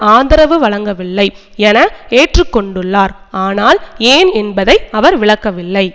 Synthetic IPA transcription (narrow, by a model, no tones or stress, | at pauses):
aːnd̪ɐɾɐʋɯʋɐɭɐŋɡɐʋɪlːɐɪ | ɛnɐeːʈrɯkːɔɳɖɯɭːaːɾ | aːnaːleːnɛnbɐðɐɪɐʋɐɾʋɪɭɐkːɐʋɪlːɐɪ